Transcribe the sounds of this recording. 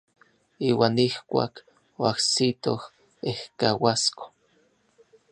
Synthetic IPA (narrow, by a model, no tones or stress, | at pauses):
iːwaːnihkʷa̰ːk | oahsit̪oh | ehkawasko̥